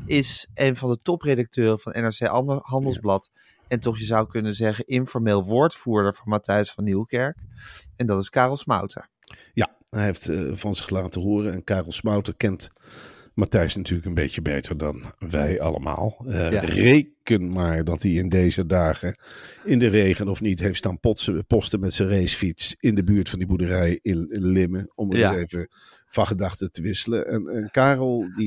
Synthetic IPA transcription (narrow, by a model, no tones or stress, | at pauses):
ʔɪsejnvɑndətɔprejdɑk̚tøːrəv̥ɑnʔɛ̰nɛɹsejɦɑndəlˠzblɑt | ɛntɔχjəzʌwkɵnənzɛχənʔɪnfɔɹmeːlˠʋʊːɹtfuːɹdəɹvʊnmatɛjsfɑnːiwəkɛɹkɛndɑtɪskaːrɔlˠsmɑ̰wtʰə̰ɹ | ja | ɛɦeftv̥ɑnzɪχlaːtəɦoːrənɛnkaːrəlˠsmɑwtəɹkɛnt | matɛjsnatyːɹləkənbejcəbḛjtəɹdɑ̰nʋɛjɑ̰lə̰ma̰ːlˠrejkənmaːɹdɑtiɪndejzədaːχəɪndərejχənɔfnitɦejftstaːnpɔtsəpɔstəmɛtsərejsfitsɪndəbyːɹtfɑndibudərɛjɪnlɪməɔmtejvə | v̥ɑχədɑχtətəʋɪsələʔɛnɛnkaːrəlˠdi